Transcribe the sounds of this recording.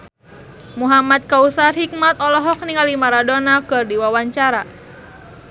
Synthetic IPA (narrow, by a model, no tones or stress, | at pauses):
muɦamat̪̚kausat̪hik̚mat̪̚ɔlɔɦɔk̚niŋalimaɾadɔnakɨrdiwawaɲt͡ʃaɾa